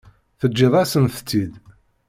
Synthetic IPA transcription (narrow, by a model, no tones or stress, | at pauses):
θəd͡ʒːiðˤæsənθt͡sːid̪